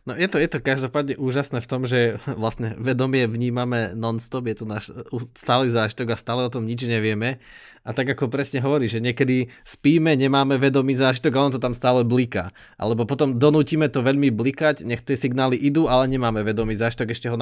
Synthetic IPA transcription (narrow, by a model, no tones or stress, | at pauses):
nɔjɛt̪ɔjɛt̪ɔkaʒd̪ɔpaːd̪ɲɛʔuːʒasnɛːft̪ɔmʒɛʋlasɲɛʋɛd̪ɔmɪɛʋɲiːmamɛnɔnst̪ɔbjɛt̪ɔnaːʃust̪aːliːzaːʒit̪ɔɡast̪aːlɛɔt̪ɔmɲid͡ʒɲɛʋɪɛmɛ | ʔat̪aɡakɔpɾɛsɲɛɦɔʋɔɾiːʒɛɲɪɛkɛd̪ispiːmɛɲɛmaːmɛʋɛd̪ɔmiːzaːʒit̪ɔɡaɔnɔt̪̬ɔt̪amst̪aːlɛblika̰ː | ʔa̰lɛbɔpɔt̪ɔmd̪ɔnuːciːmɛt̪ɔʋɛʎmiblikaɟɲɛxt̪ɪɛsiɡnaːliʔid̪uːʔalɛɲɛmaːmɛʋɛd̪ɔmiːzaːʒit̪ɔɡɛʃcɛɦɔn